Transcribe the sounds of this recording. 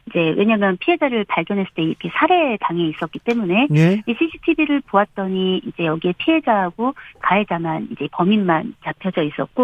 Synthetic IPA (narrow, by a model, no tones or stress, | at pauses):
id͡ʑe̞we̞ɲamjʌnpʰie̞d͡ʑaɾɯɭpaɭɡjʌnɦes͈ʰɯ̥t͈eiɾʌkʰe̞sʰaɾe̞taŋeis͈ʌk͈it͈e̞mune̞iɕʰiɕʰi̥tʰibiɾɯɭpowat̚t͈ʌɲiid͡ʑe̞jʌɡiepʰiɦe̞d͡ʑaɦaɡokaɦed͡ʑamanid͡ʑe̞pʌminmant͡ɕapʰjʌd͡ʑʌis͈ʌ̰t̚k͈o